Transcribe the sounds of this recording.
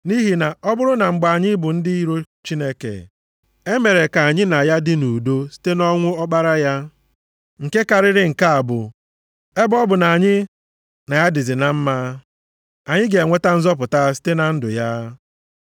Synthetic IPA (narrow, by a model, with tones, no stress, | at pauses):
ni˦ɦi˨na˨ʔɔ˦bʊ˦ɾʊ˦na˨ŋ͡m̩˨ɡ͡ba˨ɲɪ˦bʊ˨n̩˦dɪ˦i˦ɾo˦ | t͡ʃi˦ne˦kḛ˨ | e˦me˨ɾe˨ka˨a˨ɲɪ˦na˨ja˦dɪ˦nu˨do˦si̥˦te˦nɔ˦ŋʷʊ˦ɔ˦k͡pa˦ɾa˦ja˦ | ŋ̩˨ke˦ka˨ɾɪ˦ɾɪ˦ŋ̩˨ka˦a˨bʊ̰˨ | e˦bɔ˦bʊ˨na˨a˨ɲɪ˦ | na˨ja˦dɪ˨zɪ˨na˨m̩˦ma˦ | a˨ɲɪ˦ɡe˨ŋʷe˦ta˦n̩˦zɔ˦p̬ʊ˨ta˦s̬i̥˦te˦na˨n̩˦dʊ̰˨ja˦